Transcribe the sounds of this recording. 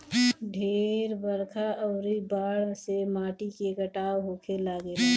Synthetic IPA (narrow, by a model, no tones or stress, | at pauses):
ɖʱeːɾbəɾkʰaʔəʊɾibaːɽsemaːʈikeɡəʈaːwɦokʰelaːɡel